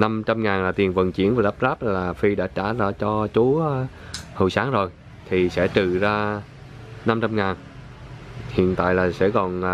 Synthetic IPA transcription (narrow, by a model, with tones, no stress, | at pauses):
na˧mt͡ɕa˧mŋaː˨˩nlaː˨˩t̪i˨˩ənvə̰˨˩nt͡ɕi˧˥ənvaː˨˩la˦˥p̚zaː˦˥p̚laː˨˩fi˧ɗa̰ː˧˥t͡ɕa̰ː˧˩zaː˧t͡ɕɔ˧t͡ɕu˨˦ | hə̰˧˨jsaː˨˦ŋzo˨˩j | t̪ʰi˨˩sɛ̰˧˥t͡ɕ̪ɨ˧˨zaː˧ | na˧mt͡ɕa˧mŋaː˨˩n | hḭ˧˨ənt̪a̰ː˧˨jlaː˨˩sɛ̰˧˥kɔ˨˩n